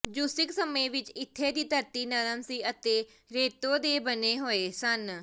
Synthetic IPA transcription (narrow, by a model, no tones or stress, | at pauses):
d͡ʒuːsɪksəmeːʋɪt͡ʃɪt̪ʰːeːd̪iːt̪əɾt̪iːnəɾənsiːət̪eː | ɾeːt̪oːd̪eːbəneːɦoːeːsən